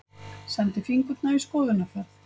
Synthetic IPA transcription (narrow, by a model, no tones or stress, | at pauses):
sant̪ɪfiŋkʏt̪naiskɔːðʏnafɛθ